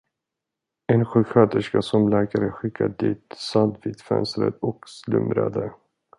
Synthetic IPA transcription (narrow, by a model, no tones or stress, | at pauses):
ɛnɧʉːɧøːt̪əʂkasɔmlæːkaɾəɧɪkʰːad̪iːt̪sand̪viːd̪fɛ̰nsɾə̰d̪ɔkslɵ̰mɾa̰d̪ə